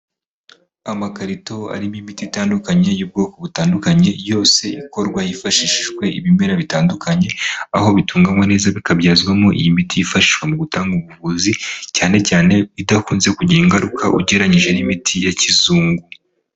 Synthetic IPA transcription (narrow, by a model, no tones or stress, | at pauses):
amakaɾito̞a̰ɾimimitiitaːndukaɲe̞jub̚ɡo̞ːko̞βutaːndukaɲe̞jo̞ːse̞iko̞ɾɡwajifaʃiʃʃwe̞ḭβime̞ɾaβitaːndukaɲe̞a̰ho̞βitʰuːŋɡamwane̞ːzaβikabjaːzɡwamoʔḭjimitʰijifaʃi̥ʃwe̞muɡutaːŋɡuβuvuzicaːne̞caːne̞βidakuːnze̞kuɟiiŋɡaɾukʰaʔuɟe̞ɾaɲiʒe̞nimitʰijacizuːŋɡu